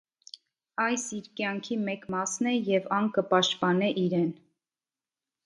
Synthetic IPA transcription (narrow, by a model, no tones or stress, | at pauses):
ɑjsiɾkjɑŋkʰimɛkmɑsnɛjɛvɑŋkəpɑʃt̪pɑnɛʔiɾɛn